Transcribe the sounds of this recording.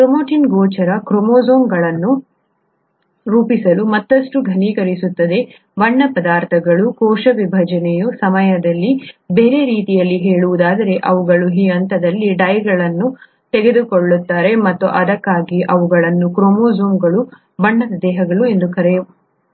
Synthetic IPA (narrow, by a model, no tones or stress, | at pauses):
kɾomoːʈʰinɡɔːt͡ʃɐɾɐkɾomoːzoːŋɡɐɭɐnːu | ɾuːpisɐlumɐt̪ːɐʂʈuɡʱɐniːkɐɾisut̪ːɐd̪e̞ | ʋɐɳːɐpɐd̪aːɾt̪ʰɐɡɐɭukɔːʂɐʋibʱɐd͡ʒɐnɛjusɐmɐjɐd̪ɐlːibe̞ːɾe̞ɾiːt̪ijɐlːiɦeːɭuʋud̪aːd̪ɐɾe̞ʔɐʋuɡɐɭuɦijɐnt̪ɐd̪ɐlːiɖɐjɡɐɭɐnːu | t̪eɡe̞d̪ukoɭːut̪ːaːɾe̞mɐt̪ːuʔɐd̪ɐkːaːɡiʔɐʋuɡɐɭɐnːukɾomoːzoːŋɡɐɭu | bɐɳːɐd̪ɐd̪ɛːɦɐɡɐɭue̞nd̪ukɐɾeju